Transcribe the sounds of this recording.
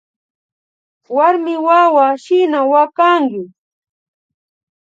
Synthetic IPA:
waɾmɪwawaʃɪnawakaŋɡɪ

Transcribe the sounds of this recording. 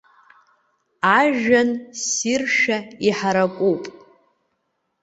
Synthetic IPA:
aʒᶣansirʃᶣaiħaɾakʷʼupʼ

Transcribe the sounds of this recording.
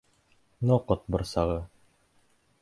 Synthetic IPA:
noqɤt̪̚bŏɾsɑʁɤ

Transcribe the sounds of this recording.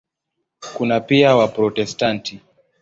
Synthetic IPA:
kunapiawapɾɔtɛstanti

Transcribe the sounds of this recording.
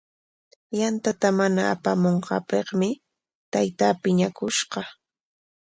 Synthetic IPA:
jant̪at̪amanaːpamoɴqɑːpeχmɪ | t̪ajt̪aːpɪɲakʊʃɢɑ

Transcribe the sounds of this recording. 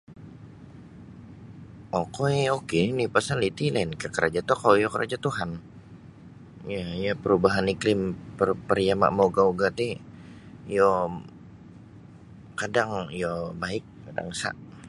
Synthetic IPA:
okoeokeninɪhpasalit̪ilaɪnkəkəɾad͡ʒat̪ɔkaojokəɾʔa̰d͡ʒat̪uɦan | jajapəɾubaɦaniklɪmpərpərijama̰ʔmoɡauɡat̪ɪ | jo | kadaŋjobaɪk̚ː | ada̰ŋsa̰ʔ

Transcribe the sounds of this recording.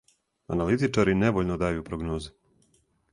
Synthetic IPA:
a̰nalit̪it͡ʃaɾineʋoʎnod̪aːjupɾoɡnoːze

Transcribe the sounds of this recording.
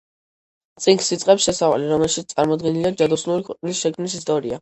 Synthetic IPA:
t̪sʼiŋksit̪sʼqʼɛpsʃɛsava̰liɾɔmɛlˠʃit̪st̪sʼaɾmɔd̪̚ɡɛniliad͡ʒad̪ɔsnuɾikʰwɛqʼnlisʃɛkʰmnisist̪ʼɔɾia

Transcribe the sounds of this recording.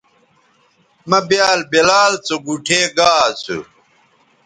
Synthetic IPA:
mɐbjaːlbelaːlt͡soɡuʈʰeːɡaːt͡sʰṵ

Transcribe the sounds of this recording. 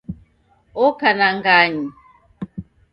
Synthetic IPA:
ɔkanaŋɡaɲi

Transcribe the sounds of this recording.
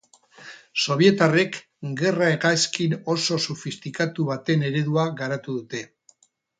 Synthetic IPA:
so̞β̞ie̞t̪are̞k | ɡe̞raeɣaskino̞so̞sufist̪ikat̪uβat̪e̞ne̞ɾe̞ðuaɣaɾat̪uðut̪e̞

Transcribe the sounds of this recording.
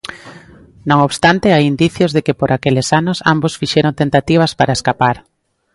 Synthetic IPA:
nõŋoβst̪ant̪ɪajind̪iθjozðekɪpoɾʔakelɪsanʊsa̰mbosfiʃeɾont̪ent̪at̪iβ̞ɐspaɾaeskapaɾ

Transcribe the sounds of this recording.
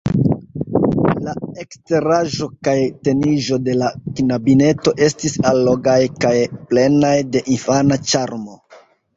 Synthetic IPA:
lae̞kste̞ɾaʒo̞kajte̞niʒo̞de̞laknabine̞to̞ʔe̞stisalːo̞ɡajkajple̞najde̞ʔinfanat͡ʃaɾmo̞

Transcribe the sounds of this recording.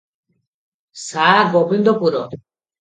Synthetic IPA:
saɡobind̪opuɾɔ

